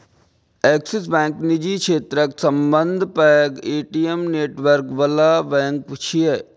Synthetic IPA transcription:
eːksis̬bɛ̃ːŋknid͡ʒikʰʃʰeːt̪ɾəksɐ̃mbənd̪ʱpɛɡeːʈiemneːʈʋəɾkʋɐlaːʋɛ̃ːŋkt͡ʃʰie

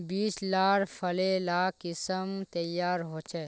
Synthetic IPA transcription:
biːslaːɾpʰəlelaːkɪsəmt̪əjaːɾɦoːt͡ʃʰɛː

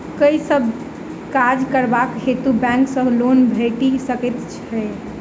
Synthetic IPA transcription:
kəisəbʱ | kad͡ʒkəɾbakɦet̪ubɛ̃ŋksəɦlonbʱeʈisəkɛt̪t͡ʃʰɛ

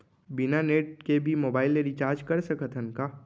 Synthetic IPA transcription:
bɪnaneːʈkebʱimoːbaːɪlːeɾit͡ʃaːɾd͡ʒkɐɾsɐkʰət̪ʰənkaː

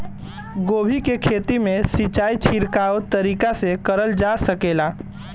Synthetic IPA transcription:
ɡoːbʱikekʰeːt̪imẽsit͡ʃaːit͡ʃʰiɾkaot̪əɾiːkasekəɾəld͡ʒasəkeːla

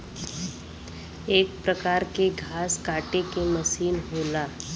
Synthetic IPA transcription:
eːk̚pɾəkaːɾkeɡʱaːskaːʈekeməʃiːnɦoːlaː

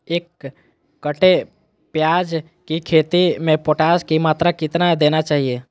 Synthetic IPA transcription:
eːkː | əʈe | pjaːd͡ʒ | kikʰeːt̪imẽpoːʈaːskimaːt̪ɾakɪt̪nad̪eːnat͡ʃaːɦie

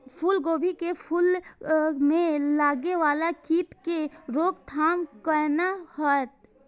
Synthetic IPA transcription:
pʰʊlɡoːbikepʰʊl | mẽlaːɡeʋaːlakiːpkeɾoːkt̪ʰaːmkəɾnahət̪̚

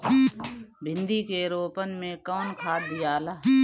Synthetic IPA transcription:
bʱɪ̃nd̪ikeɾoːpənmẽkɔːnkʰaːd̪ɪjaːlaː

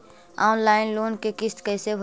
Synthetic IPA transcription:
aːnlaːɪnloːnkekɪst̪kəɪsebʱ

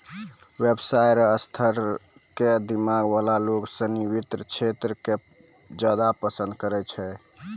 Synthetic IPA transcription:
websajɾəst̪ʰəɾ | ked̪imaɡbalaloksə̃niβit̪ɾət͡ʃʰet̪ɾəke | d͡ʒad̪apəsənd̪kəɾɛt͡ʃʰɛ

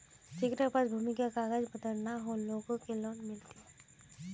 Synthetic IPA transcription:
sɪkʈapasbʱuːmɪkakaɡəd͡ʒbəd̪əɾnaɦoloːɡõkeloːnmɪlt̪i

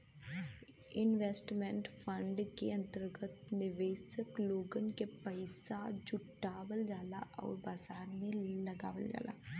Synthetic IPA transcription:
ɪnʋɛsʈmɛ̃ɳʈpʰəɳɖkeə̃nt̪əɾɡət̪nɪʋeːsəkloːɡənkepəɪsad͡ʒʊʈːaːʋəld͡ʒaːla̰ːʔɔ̰ːɾbaːzaːɾmẽləɡa̰ːʋəld͡ʒa̰ːla̰ː

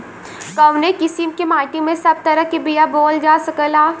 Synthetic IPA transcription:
kɐʋnekɪsimkemaːʈimẽsɐb̚t̪ɐɾəkibijaboːld͡ʒaːsɐkəlaː

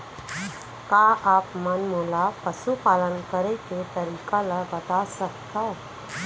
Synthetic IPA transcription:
kaʔaːpmənmoːlapəʃupaːlənkəɾeket̪əɾiːkalabɐt̪asəkt̪a

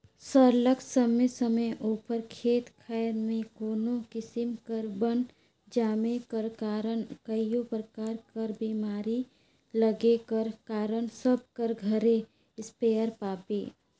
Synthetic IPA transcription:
səɾləkʰsəməsəməjʔuːpəɾkʰeːt̪kʰaɪɾmẽkoːnokɪsɪmkəɾbən | d͡ʒaːmekəɾkaːɾənkəijopɾəkaːɾkəɾbiːmaːɾi | ləɡekəɾkaːɾənsəb̚ʱkəɾɡʱəɾe | ɪspeːəɾpaːpe

